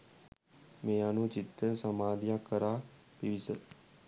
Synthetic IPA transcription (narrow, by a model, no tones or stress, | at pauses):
meːjanut͡ʃit̪ːəsɐmaːd̪jakːəɾaː | piʋisə